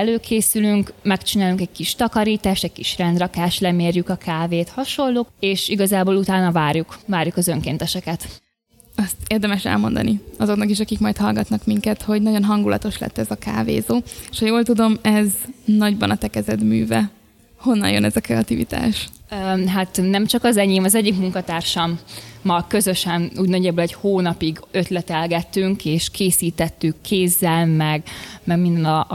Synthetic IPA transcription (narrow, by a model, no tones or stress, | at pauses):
ɛløːkʰeːsylyŋkmɛkt͡ʃinaːlyŋkɛɟ̚kiʃt̪ɒkɒɾiːt̪aːʃt̪ɛɟ̚kiʃrɛnd̪rɒkaːʃlɛmeːrjykɒkʰaːveːt̪hɒʃo̞lːoːkeːʃiɡɒzaːboːlut̪aːnɒvaːrjukvaːɾjukɒzøŋkeːnt̪ɛʃɛkɛt̪ | ɒst̪eːrd̪ɛmɛʃɛ̰lmo̞̰nd̪ɒ̰niɒzo̞knɒkiʃ̬ɒkikmɒjt̪hɒlɡɒt̪nɒkmiŋkɛt̪ho̞ɟnɒɟo̞nɦɒŋɡulʔɒ̰t̪o̞ʃlɛ̰t̪ːɛzɒka̰ːvḛːzoːeʃhɒjoːlt̪ud̪o̞mɛznɒɟbɒnɒt̪ɛkɛzɛd̪my̰ːvɛ | ho̞nːɒ̰njønɛzɒkɾɛɒt̪ivḭt̪a̰ːʃ | ɦat̪nɛmt͡ʃɒkɒzɛɲeːmɒzɛɟːikmuŋkɒt̪aːrʃɒmːɒkø̞zøʃɛnuːɟnɒɟɛbølɛɟhoːnɒpiɡø̞t̪lɛt̪ɛlɡɛt̪ːyŋkeːʃkʰeːsiːt̪ɛt̪ːykʰːeːzːɛlmɛɡmɛɡmind̪ɛn